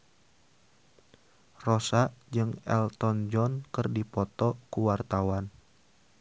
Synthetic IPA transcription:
rosaʔd͡ʒɨŋɛ̰lt̪ɔnd͡ʒɔnkɨrdipɔt̪ɔkuwart̪awan

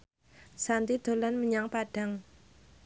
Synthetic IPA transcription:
sant̪id̪̥o̤lanməɲaŋpaɖ̥a̤ŋ

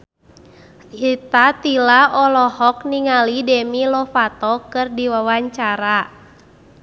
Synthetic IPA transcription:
hit̪at̪ilaʔɔlɔhɔk̚niŋalidɛmilɔfat̪ɔkɨrdiwawaɲt͡ʃaɾa

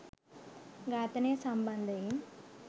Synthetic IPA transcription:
ɡaːt̪ɐnesɐmbɐnd̪ʱɐjim

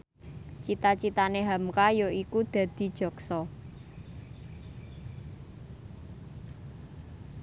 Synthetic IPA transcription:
t͡ʃit̪at͡ʃit̪aneɦamkajoʔikud̪̥a̤d̪̥i̤d̥ʒ̥ɔ̤ksɔ

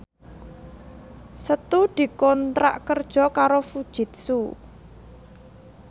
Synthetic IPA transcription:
sət̪ud̪̥i̤kɔnt̪ɾa̰ʔkərd̥ʒ̥ɔ̤kaɾofud̥ʒ̥ɪ̤t̪̚su

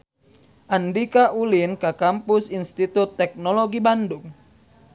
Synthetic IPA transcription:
ʔandikaʔulinkakampusinst̪it̪ut̪ːɛk̚nɔloɡibanduŋ

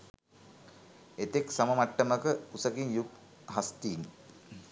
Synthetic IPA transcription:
et̪eksaməmaʈːəməkəusəkinjuk | ɦast̪iːn

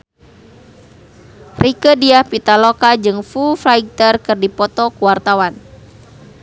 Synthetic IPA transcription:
rikədiahpit̪alɔkad͡ʒɨŋfufɾaiɡ̚t̪ərkɨrdipɔt̪ɔkuwart̪awan

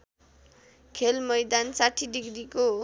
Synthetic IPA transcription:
kʰelmʌjd̪ansaʈʰidiɡɾiko

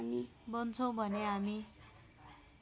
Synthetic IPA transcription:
mi | bʌnt͡sʰʌw̃bʱʌneɦami

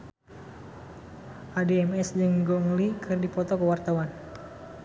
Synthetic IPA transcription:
ʔadeɛmɛsd͡ʒɨŋɡɔŋlikʰɨrdipɔt̪ɔkəwart̪awan

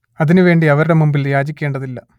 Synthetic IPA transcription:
ɐðinuʋe̞ːɳɖiɐʋɐɾuɽe̞mumbiljaːd͡ʑikʲːe̞ːɳɖɐðilːɐ

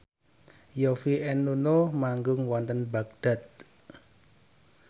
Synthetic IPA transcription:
jofiʔɛnːunomaŋɡʊŋwɔnt̪ənbak̚d̪̥a̤t̪̚

